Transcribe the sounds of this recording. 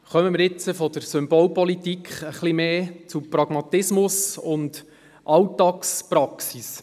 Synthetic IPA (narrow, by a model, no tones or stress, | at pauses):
χœməmɪɾɪt͡səfɔd̪əɾsʏmbɔlpɔlit̪ikʰχəχlimeːt͡supɾɑɡ̥mɑt̪ɪsmʊsʊnd | ʔɑwtɑkspɾɑksis